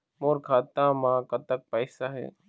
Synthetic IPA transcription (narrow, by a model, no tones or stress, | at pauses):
moːɾkʰaːt̪ãːmãːkət̪ək̚pɛːsaːɦɛ̰ː